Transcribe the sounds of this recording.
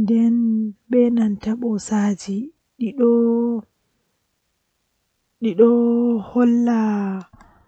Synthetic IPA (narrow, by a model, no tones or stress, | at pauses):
ndɛnɓɛnantaɓɔsaːd͡ʒi | ɗiɗɔ | ɗiɗɔhɔlːa